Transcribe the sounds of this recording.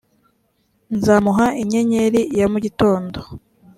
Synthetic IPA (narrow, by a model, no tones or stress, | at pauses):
nzaːmuɦaʔiɲe̞ɲeɾijamuɟito̞ːndo̞